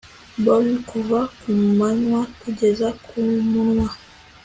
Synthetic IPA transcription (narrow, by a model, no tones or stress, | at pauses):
bɔlikuvakummaɲwatud͡ʒɛzakʰumunwa